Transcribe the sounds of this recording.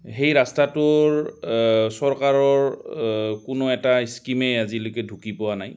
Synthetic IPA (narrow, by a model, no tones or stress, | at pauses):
ɦejɹastatʊɹ | sɔɹkaɹɔɹ | kʊnʊɛtaiskimɛazilʊkɛdʱukipɔwanaj